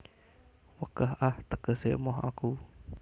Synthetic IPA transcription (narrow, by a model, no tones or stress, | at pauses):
wəɡ̥aɦʔaht̪əɡ̥əseʔmɔɦa̰ku